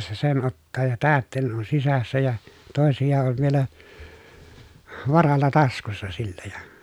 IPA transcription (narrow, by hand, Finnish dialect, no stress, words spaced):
se sen otːɑː jɑ tæːtːeˑi̯nen on sisæsːæ jɑ toˑesijɑ ol ʋielæ ʋɑrɑlːɑ tɑskusːɑ silːæ jɑ